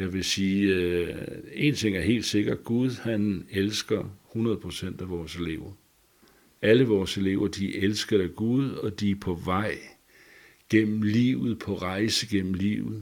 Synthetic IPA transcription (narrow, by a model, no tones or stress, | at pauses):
jɑ̈ɪʋe̝siː | e̝̰nt͡sʰe̝ŋ̰æɐɦe̝̰ːld̥se̝ɡ̥ɐ̥ɡ̥uð̞ˠhænelsɡ̥ɐhunɐð̞ˠpʰʁo̝sen̰d̥æʋɒːse̝le̝̰ːʊ̰ɐ | æləʋɒːse̝le̝̰ʊɐd̥iʔelsɡ̥ɐðˠæɡ̥uð̞ˠɒ̽d̥ipʰɒ̽ʋɑ̈ɪ̰ | ɡ̥en̰m̩liːʊð̩ˠpʰɒ̽ʁɑ̈ɪsəɡ̥en̰m̩lḭːʊð̩ˠ